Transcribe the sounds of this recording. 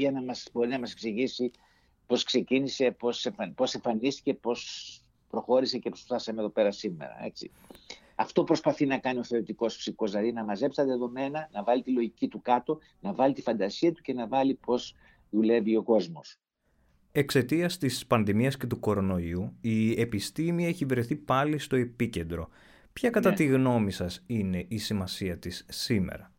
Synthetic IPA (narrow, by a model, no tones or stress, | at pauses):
ʝɐnɐmɐsbo̞ɾinɐmɐse̞ksiʝisi | po̞skse̞cinise̞po̞sefɐpo̞se̞ɱfɐnist̪i̥ce̞po̞s | pɾo̞xo̞ɾise̞cepost̪ɐsɐmeðo̞pe̞ɾɐsimḛɾɐ̰e̞t͡sḭ | ɐft̪o̞pɾo̞spɐθinɐkɐnio̞θeoɾit̪iko̞spsiko̞zlɐðinɐmɐze̞psɐt̪ðe̞ðo̞me̞nɐnɐvɐlit̪ilo̞ʝicit̪ukɐt̪o̞ | nɐvɐlit̪ifɐnd̪ɐsiɐt̪u̥ce̞nɐvɐlipo̞z | ðule̞vio̞ko̞zmo̞s | e̞kse̞t̪iɐst̪ispɐnðimiɐsce̞t̪uko̞ɾo̞no̞iuie̞pist̪imiɐeçivɾe̞θipɐlist̪o̞e̞pice̞nd̪ɾo̞̰ | pçɐkɐt̪ɐt̪iɣno̞misɐsine̞ʔisimɐsiɐt̪isːimḛɾɐ